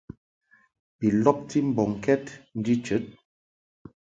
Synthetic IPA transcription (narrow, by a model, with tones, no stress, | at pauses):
pi˨lɔ˦p̚ti˦m̩˨bɔ˨ŋ˨kɛ˦tn̩˦di˦t͡ʃə˨˦t̚